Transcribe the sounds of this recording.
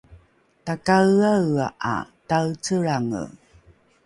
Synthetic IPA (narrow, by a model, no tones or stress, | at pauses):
takaawaʔa̰tawt͡səɾaŋə̰